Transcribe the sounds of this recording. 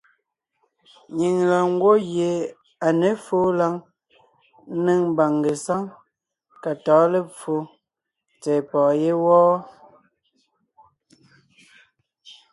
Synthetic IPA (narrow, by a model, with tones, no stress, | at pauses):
ɲi˨ŋla˨ŋ˦ɡwo˦je˨ | a˨ne˨˦fo˦la˦ŋ˦ | ne˦ŋm˦ba˨ŋɡe˨sa˦ŋ | ka˨tɔː˨˦le˦p͡fo˨˦ | t͡sɛ˨pɔː˨je˦wɔː˦